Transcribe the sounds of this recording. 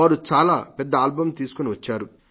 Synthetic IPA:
aːɾut͡ʃaːlaːpɛd̪ːɐaːlbɐmt̪iːsu̥kuniʋɐt͡ʃːaːɾu

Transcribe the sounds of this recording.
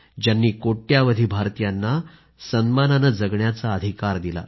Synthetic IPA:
d͡ʑjanːiːkoʈjaʋəd̪ʱiːbʱaɾt̪ijanːa | sənmananəd͡zəɡɳjat͡saəd̪ʱikaɾd̪ila̰

